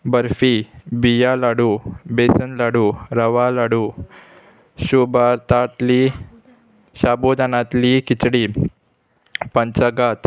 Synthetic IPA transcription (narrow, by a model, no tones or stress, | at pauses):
bəɾfibijalaɽubesənlaɽuɾəʋalaɽu | ɕubaɾt̪at̪li | ɕabod̪ʱanat̪likit͡sɽi | pəɲt͡ɕəɡat̪